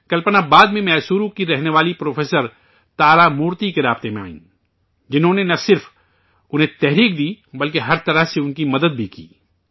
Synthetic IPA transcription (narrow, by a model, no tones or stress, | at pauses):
kɐlpənabaːd̪mẽmɛːsuːɾõkiɾɛɦneʋaːlipɾoːfʰeːsəɾ | t̪aːɾamuːɾt̪ikeɾaːbt̪emẽa̰ːḭ̃ː | d͡ʒɪnɦõːnenɐsɪɾf | ʊnɦẽt̪ɛɦɾiːk̚d̪iːbɐlkeɦɐɾt̪ɐɾəɦseʊnkimɐd̪əd̪̚bʱikḭː